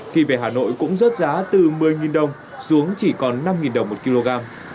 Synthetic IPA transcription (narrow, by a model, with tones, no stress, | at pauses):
xi˧ve˨˩ɦaː˨˩no̰˧˨jkʊ̰˧˥ŋ͡mzə˦˥t̚zaː˨˦t̪ɨ˨˩mɨ˨˩əjŋi˨˩nɗə˨˩wŋ͡m | su˨˦əŋt͡ɕi˧˩kɔ˨˩nːa˧mŋi˨˩nɗə˨˩wŋ͡mmo˨˩t̚ki˧lo˧ɣaː˧m